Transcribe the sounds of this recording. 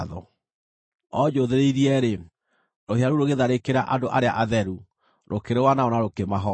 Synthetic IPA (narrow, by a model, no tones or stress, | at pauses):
ðɔ̰ | ɔd͡ʑoðeɾeiɾiɛɾe | ɾoheaɾuɾoɣeðaɾekeɾaʔadoʔaɾeaʔaðɛɾu | ɾʔokeɾewanaɔnaɾokemaɦɔ